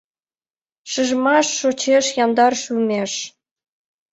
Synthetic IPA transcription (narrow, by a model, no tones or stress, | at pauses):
ʃɨʒmɑʃːot͡ɕeʃjɑmd̪ɑrʃymʲeʃ